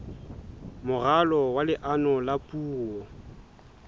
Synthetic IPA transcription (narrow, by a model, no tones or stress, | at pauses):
mʊɣalɔwalɪʔanɔlapʼuːɔ